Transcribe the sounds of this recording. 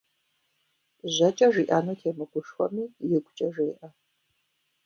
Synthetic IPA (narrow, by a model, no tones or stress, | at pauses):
ʑɐt͡ʃʼɐʒiːʔaːnoːtʰeːmɨɡʷʊʂxʷɔ̰miːjɛɡʷʊt͡ʃʼɐʒeːʔɐ